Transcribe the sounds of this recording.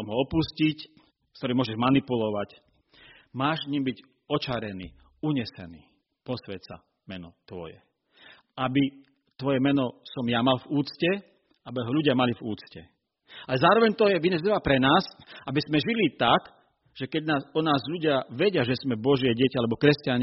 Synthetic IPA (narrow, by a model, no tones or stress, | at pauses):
ɔmɦɔɔpuscic | kt̪ɔɾɛmʊɔʒɛʒmanipulɔʋac | maːʒɲimbiɟ | ɔt͡ʃaɾɛnḭː | uɲɛsɛ̰nḭː | pɔsʋɛt͡sa̰ | mɛnɔ̰t̪ʋɔ̰jɛ̰ | abi | t̪ʋɔjɛmɛnɔsɔmjamalvuːt͡scɛ | abiɦɔʎuɟɪamalivuːt͡scɛ | alɛzaːɾɔʋɛɲt̪ɔjɛʋinɛzɛʋapɾɛnaːsabizmɛʒilit̪ak | ʒ̥ɛkɛɟnaːsɔnaːzʎuɟɪaʋɛɟɪaʒɛsmɛbɔʒɪɛɟɪɛcaalɛbɔkɾɛscaɲ